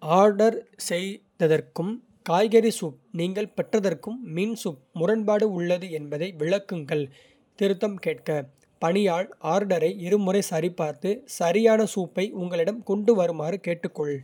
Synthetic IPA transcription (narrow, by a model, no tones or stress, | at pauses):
aːɾɖɐɾsɛjðɐðɐrkɯm | kaːjɣɐɾisuːp̚niːŋɡɐɭpɛʈrɐðɐrkɯmːiːnsuːp̚mʊrɐnpaːɽɯʊɭːɐðɯɛnbɐðɐɪʋɪɭɐkːɯŋɡɐɭ | t̪ɪɾɯt̪ːɐmkeːʈ̚kɐ | pɐɳɪjaːɭaːɾɖɐɾɐɪɪɾɯmʊɾɐɪsɐɾɪpːaːɾt̪ɯsɐɾɪjaːnɐsuːpːɐɪʔʊŋɡɐɭɪɽɐmkɔɳɖɯʋɐɾɯmaːɾɯkeːʈːɯkːɔɭ